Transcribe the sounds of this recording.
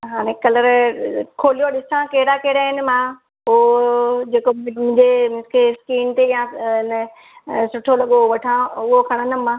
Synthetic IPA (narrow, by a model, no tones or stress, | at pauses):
ɦaːɽ̃ẽkɐləɾkʰoːlijoɗɪsãkeɦɪɾakeːɽaɦɪnɪ̆mã | od͡ʑeːkomʊ̃ɲd͡ʑemɪskeskiːnt̪ejãɪnə | sʊʈʰolɐɠoʋɐʈʰãʊɦokʰɐɽ̃ənɪ̆mãː